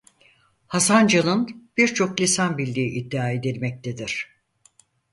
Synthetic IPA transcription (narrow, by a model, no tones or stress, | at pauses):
hasand͡ʒalˠɯnb̥iɾt͡ʃʰo̞klʲisanbilʲːiːʔid̪ːiaːe̞d̪ilʲmɛc̚t̪ʰe̞d̪iɾ̝̥